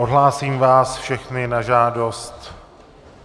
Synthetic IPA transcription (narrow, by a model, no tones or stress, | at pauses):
ʔodɦlaːsiːmvaːsfʃɛxnɪnaʒaːdost̪